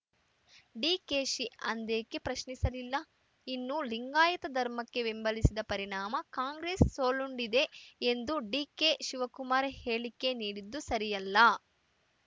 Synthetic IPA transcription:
ɖiːkeːʃiɐnd̪eːkːe̞pɾɐʃnisɐlilːɐ | inːuliŋɡaːjɐt̪ɐd̪ʱɐɾmɐkːe̞ʋimbɐlisid̪ɐpɐɾiɳaːmɐkaːŋɡɾeːsːoːluɳɖid̪e̞ːnd̪uɖiːkeʃiʋɐkumaːɾehe̞ːɭikːe̞niːɽid̪ːusɐɾijɐlːɐ

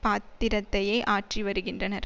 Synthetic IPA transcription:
paːt̪ːɪɾɐt̪ːɐjɐɪʔaːʈriʋɐɾɯɣɪndrɐnɐɾ

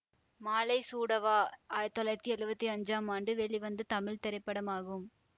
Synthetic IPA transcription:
maːlɐɪsuːɽɐʋaːaːjɐt̪ːɐlɐɾɐt̪ːiɛɻɯbɐt̪ːiɐɲd͡ʒaːmaːɳɖɯʋɛɭiʋɐnd̪ɯt̪ɐmɪɭt̪ɛɾɐɪpːɐɽɐmaːɣɯm

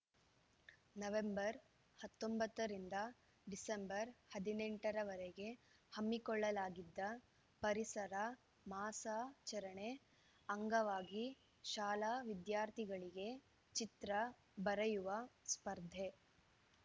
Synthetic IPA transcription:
nɐʋembɐɾ | hɐt̪ːombɐt̪ːɐɾind̪ɐ | ɖisembɐɾhɐd̪ineɳʈɐɾɐʋɐɾɛɡe̞hɐmːikɔɭːɐlaːɡid̪ːɐ | pɐɾisɐɾɐ | maːsaːt͡ʃɐɾɐɳe̞ | ɐŋɡɐʋaːɡi | ʃaːlaːʋid̪jaːɾt̪ʰiɡɐɭiɡe̞ | t͡ʃit̪ɾɐ | bɐɾɐjuʋɐspɐɾd̪ʱe

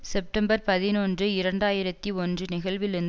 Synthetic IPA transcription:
sɛp̚ʈɐmbɐɾpɐðɪnoːndrɯɪɾɐɳɖaːjɪɾɐt̪ːiɔndrɯnɪɣɐɭʋɪlɪɾɯnd̪

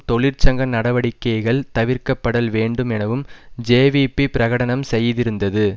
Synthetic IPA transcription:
t̪ɔɭɪɾt͡ʃɐŋɡɐnɐɽɐʋɐɽɪkːɐjɣɐɭt̪ɐʋɪɾkɐpːɐɽɐlʋeːɳɖɯmɛnɐʋɯmd͡ʒeːʋiːpːipɪɾɐɣɐɽɐnɐmsɛjːðɪɾɯnd̪ɐðɯ

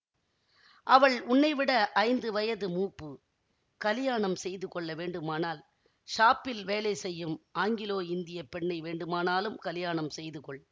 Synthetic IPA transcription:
ʔɐʋɐɭʊɳːɐɪʋɪɽɐʔɐɪnd̪ɯʋɐjɐðɯmuːpːɯ | kɐlɪjaːɳɐmsɛjðɯkɔɭːɐʋeːɳɖɯmaːnaːl | ʂaːpːɪlʋeːlɐɪsɛjːɯmʔaːŋɡɪloːɪnd̪ɪjɐpɛɳːɐɪʋeːɳɖɯmaːnaːlɯmkɐlɪjaːɳɐmsɛjðɯkɔɭ

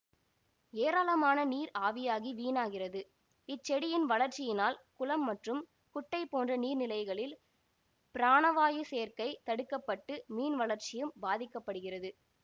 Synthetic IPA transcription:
eːɾaːlɐmaːnɐniːɾaːʋɪjaːɣiʋiːnaːɣɪrɐðɯ | ɪt͡ʃːɛɽɪjɪnʋɐlɐɾt͡ʃɪjɪnaːlkʊlɐmːɐʈrɯm | kʊʈːɐɪpoːndrɐniːɾnɪlɐɪɣɐɭɪl | pɪɾaːnɐʋaːjɯseːɾkɐɪt̪ɐɽɯkːɐpːɐʈːɯmiːnʋɐɭɐɾt͡ʃɪjɯmbaːðɪkːɐpːɐɽɯɣɪrɐðɯ

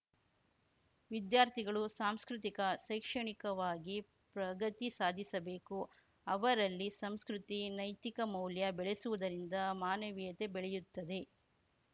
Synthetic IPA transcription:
ʋid̪jaːɾt̪ʰiɡɐɭusaːmskɾut̪ikɐʃɐjkʂɐɳikɐʋaːɡi | pɾɐɡɐt̪isaːd̪ʱisɐbe̞ːku | ɐʋɐɾɐlːisɐmskɾut̪inɐjt̪ikɐmɐwljɐbɛɭesuʋud̪ɐɾind̪ɐmaːnɐʋijɐt̪e̞bɛɭɛjut̪ːɐd̪e̞

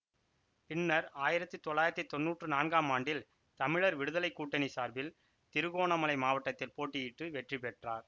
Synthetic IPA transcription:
pɪnːɐɾaːjɪɾɐt̪ːɯt̪ɔɭlːaːjɪɾɐt̪ːɯt̪ɔnːuːʈrɯnaːnɡaːmaːɳɖɪl | t̪ɐmɪɭɐɾʋɪɽɯðɐlɐɪkːuːʈːɐnisaːɾbɪl | t̪ɪɾɯɣoːɳɐmɐlɐɪmaːʋɐʈːɐt̪ːɪlpoːʈːɪjɪʈːɯʋɛʈripɛʈraːɾ

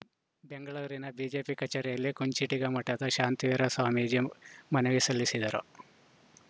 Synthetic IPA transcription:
beŋɡɐɭuɾinɐbiːd͡ʒeːpikɐt͡ʃɐɾɐjɐlːikuɲt͡ʃiʈiɡɐmɐʈːɐt̪ɐʃaːnt̪ijɐɾɐsaːmid͡ʒemɐnɐʋisɐlːisid̪ɐɾo

